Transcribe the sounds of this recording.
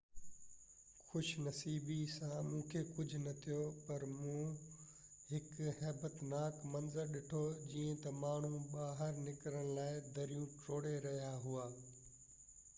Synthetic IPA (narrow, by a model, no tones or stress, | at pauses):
xʊʃnɐsiːbisãmũːkʰekʊd͡ʑʱʊnɐt̪ʰijopɐɾmũː | ɦɪkɦɛːbət̪naːkmɐ̃nzəɾɗɪʈʰod͡ʑiːə̃t̪ɐmaːɳ̤ũɓaːɦəɾnɪkɾəɽ̃laːɪd̪ɐɾijũʈoːɽeɾɐɦijaɦuaː